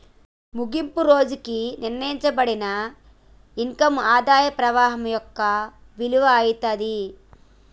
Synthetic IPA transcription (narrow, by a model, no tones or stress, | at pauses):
muɡimpuɾo̞ːd͡ʒukiniɾnɐjiɲt͡ʃɐbɐɽinɐ | iŋkɐmaːd̪aːjɐpɾɐʋaːɦɐmjɔkːɐ | ʋiluʋɐːjit̪ɐd̪i